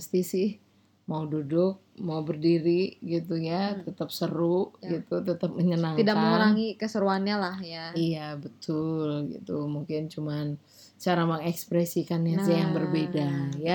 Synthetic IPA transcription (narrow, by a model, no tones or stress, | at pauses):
əst̪isɪh | maududʊk̚maubərdiɾiɡit̪ujat̪ət̪əp̚səɾuɡit̪ut̪ət̪əp̚məɲənaŋikdak̚məŋauɾaŋikəsəɾuanɲalahjaijabət̪ʊlɡḭt̪umuŋkɪnt͡ʃuman | t͡ʃaɾaməŋɛkspɾɛsikanjaajaŋbərbedaja